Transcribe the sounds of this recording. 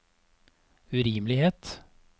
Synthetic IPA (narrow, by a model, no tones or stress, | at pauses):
ʉɾiːmlɪheːt̪